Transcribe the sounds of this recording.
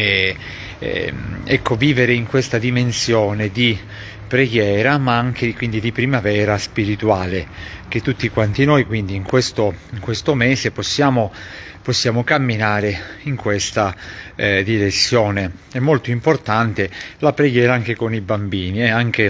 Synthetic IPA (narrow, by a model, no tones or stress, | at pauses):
ɛ̰ | ɛkːoviːveɾeiŋkwest̪ad̪imensjɔːned̪i | pɾeɡjɛːɾamaaŋk̟ʰekwind̪id̪ipɾimavɛːɾaspiɾit̪uaːlek̟et̪ːut̪ːikwant̪inojkwind̪iːŋkwest̪oiŋkwest̪omɛːseposːjaːmo | posːjaːmokamːinaːɾeiŋkwest̪a | d̪iɾesːjɔːne | ɛmːolt̪oimport̪ant̪elapɾeɡjɛːɾaaŋk̟ekonibambiːniɛaŋk̟e